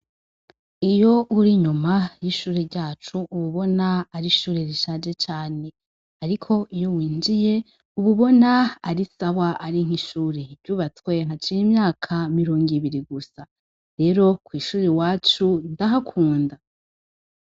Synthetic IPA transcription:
ijo̞uɾiɲumajiʃuːɾeɾɟaːt͡ʃuːβuβo̞naːɾiʃuːɾeɾiʃaːd͡ʒe̞t͡ʃaːne̞ | aɾikʰo̞ʔijo̞wiːnd͡ʒije̞ | uβuβo̞naaɾisaβaʔaɾiŋ̥iʃuːɾevɟuːβat͡swe̞ŋ̥at͡ʃijimɲaːkʰamiɾo̞ːŋɡiβiɾiɡusa | ɾe̞ːɾo̞kwiːʃuːɾewaːt͡ʃundaɦakʰuːnda

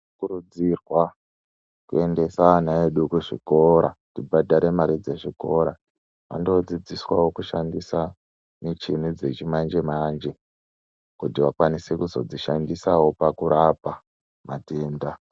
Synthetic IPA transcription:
kurud͡zirwa | kue̞nde̞sanaeɗukuʐḭko̞ɾatibadaɾe̞maɾid͡zeʐiko̞ɾa | ʋa̰ndod͡zid͡ziswawo̞kuʃandisa | net͡ʃin̤ud͡ze̞t͡ʃimand͡ʒe̞mand͡ʒe̞ | kutiʋakwanisekuzo̞̰d͡ziʃandisawo̞pakuɾapa | mateːnda

